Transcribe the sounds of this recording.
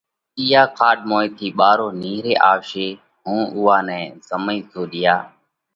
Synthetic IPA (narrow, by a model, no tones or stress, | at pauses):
iːaːkʰaːɗmoːiːt̪ʰiːɓaːɾoːniːɾeːʔaːʃeː | ɦũːʔʊːaːnɛ̃ːsəmiːsʰoːɗɪjaː